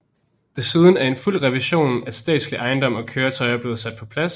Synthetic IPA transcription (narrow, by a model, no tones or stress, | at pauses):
d̥e̝sið̞ˠn̩æɐe̝nful̰ʁɛʋiɕo̝̰ːnæsd̥ɛ̰ːd̥sliʔɑ̈ɪnd̥ɒ̽m̰ɒ̽kʰøːɐt͡sʰɒ̽ɪɐb̥le̝ːð̩ˠsæd̥̚pʰɒ̽pʰlæs